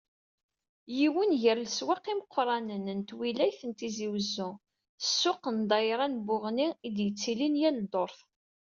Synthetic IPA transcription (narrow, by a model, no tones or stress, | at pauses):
jiwənʝəɾləswɑqːiməqʰːɾˤɑnənənt̪wilæjθənt̪iziwəzːʊ | əsːʊqənd̪ˤɑjɾˤɑnbʊʁniid̪jət͡sːilinjæld̪oɾˤθ